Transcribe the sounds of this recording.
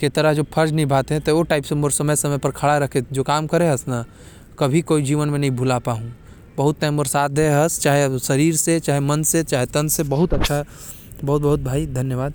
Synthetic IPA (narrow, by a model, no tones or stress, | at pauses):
ket̪ɐɾəɦd͡ʒoːpʰɐɾd͡ʒnəĩbʱaːt̪eɦɛ̃t̪ooʈaːɪpsemoɾsɐməjsɐməpɐɾkʰɐɽaɾɐkʰed͡ʒoːkaːmkɐɾẽɦɐsna | kɐbʱikoːid͡ʒiːʋənmẽnɐɦĩbʱʊlapaɦũ | bɐɦʊt̪ːɐemoɾsaːd̪ʱeɦɐst͡ʃaːɦesɐɾiːɾset͡ʃaːɦemɐnset͡ʃaːɦet̪ɐnsebɐɦʊt̪ɐtːʃʰa | bɐɦʊt̪̚bɐɦʊt̪̚bʱaːid̪ʱɐnjəʋaːd̪̚